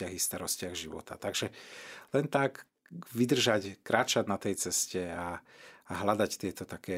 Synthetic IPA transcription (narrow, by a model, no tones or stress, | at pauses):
aɣist̪aɾɔscɪaɣʒiʋɔ̰t̪at̪aɡʒɛlɛnt̪ak | ʋid̪r̩ʒackɾʔaːt͡ʃad̪nat̪ɛjt͡sɛscɛaː | ɦlad̪act̪ɪɛt̪ɔt̪akɛː